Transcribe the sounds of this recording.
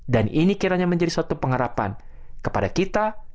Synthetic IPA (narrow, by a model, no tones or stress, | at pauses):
daninikiɾaɲaməɲd͡ʒadisuat̪upəŋɦaɾapa̰n | kə̥padakit̪a